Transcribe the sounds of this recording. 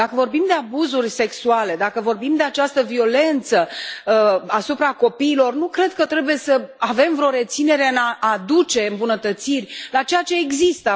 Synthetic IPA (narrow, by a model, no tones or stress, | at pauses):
d̪̥akəvo̞rbimd̪e̞abuzurʲse̞ksuale̞d̪akəvo̞rbimd̪e̞at͡ʃast̪əvio̞le̞nt̪sə | asupɾako̞piːlo̞rnukɾe̞d̪̚kət̪ɾe̞buje̞səave̞mvɾo̞ɾe̞t̪sine̞ɾe̞ɨnaːd̪ut͡ʃe̞ɨmbunət̪ət̪sirʲlat͡ʃe̞jat͡ʃe̞ːɡzist̪ə